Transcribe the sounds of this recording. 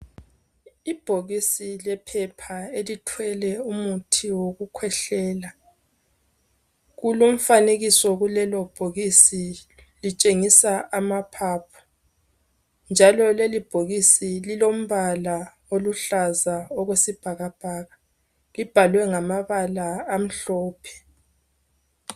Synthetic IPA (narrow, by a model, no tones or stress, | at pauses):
ib̥ʱoɣisilɛpʰɛpʰaelitʰwɛlɛumutʰiwoɣukʰwɛɬɛːla | ɣulom̩faneɣisɔɣulɛlɔb̥ʱoɣisi | lit͡ʃʼeŋisaamapʰaːpʰɔ̥ | nd͡ʒʱalɔlelib̥ʱoɣisililom̩βala | oluɬazaɔɣwesib̥ʱaɣab̥ʱaːɣa | lib̥ʱalwɛŋamaβalaːm̩ɬɔːpʰɛ̥